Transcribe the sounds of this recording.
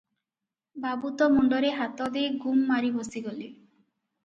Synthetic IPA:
babut̪ɔmɔɳɖɔɾeɦat̪ɔd̪eɡʱumːaɾibosiɡoli

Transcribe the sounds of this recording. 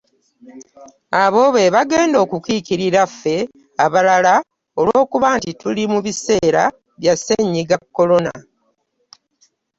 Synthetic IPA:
aβo̞βe̞βaɡe̞ːndo̞ːkukikiɾiɾafːe̞ | aβalala | o̞lwo̞ːkuβaːntitulimuβise̞ːɾa̰ | βjaseɲːiɡakːo̞lo̞na̰

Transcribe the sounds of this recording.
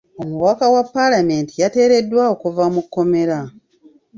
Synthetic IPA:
omuwakawapːalame̞ːntijate̞ːɾe̞dːwaokuvamukːo̞me̞ɾa

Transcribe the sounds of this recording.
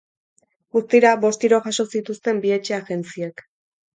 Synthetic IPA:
ɡust̪iɾabo̞st̪iɾo̞ʝaʃo̞sit̪ust̪e̞mbie̞t͡ʃe̞aɣe̞nt͡siek

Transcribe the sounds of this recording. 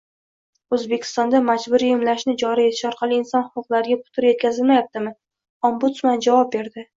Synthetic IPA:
ɵzbe̞kʲʰɪ̥st̪ɒnd̪amad͡ʒbʊɾijɪmlaʃnɪd͡ʒɒɾie̞t̪ʰɪ̥ʃɒɾqʰɑlˠɪːnsɒnhʊqʊqlˠaɾɪɡʲapʰʊ̥t̪ʰʊɾje̞t̪̚kʲʰazɪlmajap̚t̪ɪmɪ | ɒmbʊt̪smand͡ʒavɒp̚be̞ɾd̪ɪ

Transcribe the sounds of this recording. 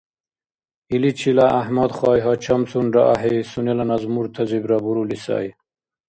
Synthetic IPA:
ilit͡ɕʰilaʔahmad̪χɑːjɦat͡ɕʰamsunɾa̰ʔaɦisunelanazmuɾt̪ʰazibɾabuɾulisa̰ːj

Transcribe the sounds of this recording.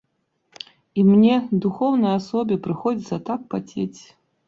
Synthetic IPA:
imnʲɛd̪uxɔwnɐjasɔbʲipɾɨxɔd͡zʲit̪sɐt̪akpat͡sʲet͡sʲ

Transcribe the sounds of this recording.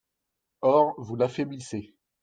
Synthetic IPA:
ɔʁvulafeblise

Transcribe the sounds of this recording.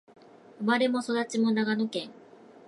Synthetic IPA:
omaɾe̞mo̞so̞d̪at͡ɕimo̞naɡano̞kẽ̞ŋ

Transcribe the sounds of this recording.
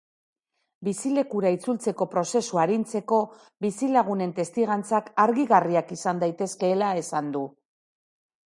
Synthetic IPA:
bisile̞kuɾait͡sult͡se̞ko̞pɾo̞se̞suaɾint͡se̞ko̞ | bisilaɣ̞une̞nt̪e̞st̪iɣant͡sakaɾɣiɣariakisand̪ajt̪e̞ske̞ːlae̞sand̪u

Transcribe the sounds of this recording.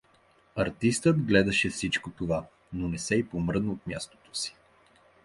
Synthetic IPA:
ɐɾt̪ist̪əd̪ɡlɛd̪ɐʃɛfsit͡ʃkot̪ova | nonɛsɛipomɾəd̪ot̪mʲjast̪o̥t̪o̥si̥

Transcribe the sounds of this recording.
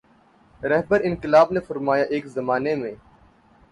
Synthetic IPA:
ɾɛɦbəɾɪ̃nqɪlaːbnefɐɾmaːjaʔeːkzɐmaːnemẽː

